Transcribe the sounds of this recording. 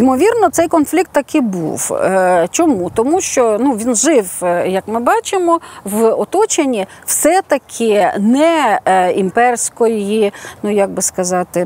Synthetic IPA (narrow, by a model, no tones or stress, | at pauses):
imɔʋʲirnɔt̪sɛjkɔnflʲik̚t̪ːɐkɪbṵwt͡ʃɔmut̪ɔmuʃt͡ʃɔnuʋʲinʒɪwjɐkmɪbɑt͡ʃɪmɔʋɔt̪ɔt͡ʃenʲːiwsɛt̪ɐkʰɪnɛimpɛrsʲkɔjjinujaɡ̚bɪskɐzɑt̪ɪ